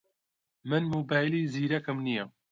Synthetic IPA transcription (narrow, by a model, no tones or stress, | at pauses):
mɨnmuːbaːjliːziːɾɐkɨmnijɛ